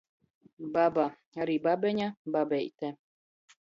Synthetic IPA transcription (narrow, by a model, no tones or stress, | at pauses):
baba | aɾibabʲɛɲʲababʲɛjt̪ɛ